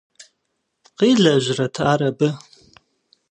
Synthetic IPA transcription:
qiɮaʒʷratʰaɾabɨ

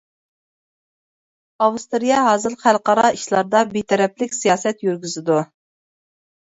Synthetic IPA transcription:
ɑwust̪ɨɾijɑɦɑːzɨlχælˠqɑɾɑiʃlˠɑɾd̪ɑbit̪ʰɛɾɛplɪkʲsijɑːsɛt̪jyɾɡʲyzɪd̪u

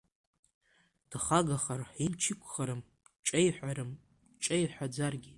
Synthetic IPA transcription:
d̥χaɡaχarħimt͡ʃʰɪkʷʰʼχaɾɨm | t͡ʃʼejħʷᶣaɾɨm | t͡ʃʼejħʷᶣad͡zarɡʲi

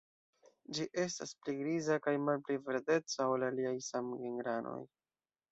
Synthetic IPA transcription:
d͡ʒiʔe̞staspliɡɾizakajmalpliveɾde̞t͡saolaliajsamɡeŋɡɾano̞̰j

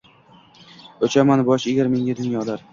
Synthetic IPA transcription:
ɵt͡ʃʰamanbɒʃeɡʲaɾme̞ŋɡʲad̪ʊnjɒd̪aɾ

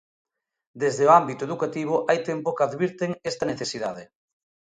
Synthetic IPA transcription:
d̪ezðeoambit̪oeðukat̪iβ̞oʔajt̪empokaðβiɾt̪ɪŋest̪ɐneθesiðaðɪ

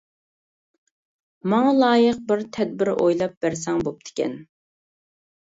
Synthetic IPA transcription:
mɑŋɑlˠɑːjəq̚bɪɾt̪ʰɛd̪̚bɪɾʔo̰jlˠɑp̚b̥æɾsɛŋbop̚t̪ʰɪ̥kʲɛ̰n

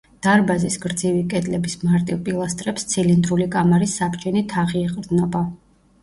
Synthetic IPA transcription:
d̪̥aɾbazisɡɾd̪zivikʼɛd̪lɛbismaɾt̪ʼivpʼilˠast̪ʼɾɛpst̪sʰilind̪ɾulikʼamaɾisːabt͡ʃɛnit̪ʰaʁiɛqʼɾd̪znɔba

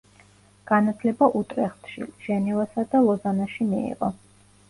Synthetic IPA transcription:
ɡ̥anat̪ʰlɛbaʔut̪ʼɾɛχt̪ʰʃḭʒ̥ɛnɛvasad̪alˠɔzanaʃimḭḭʁɔ̰

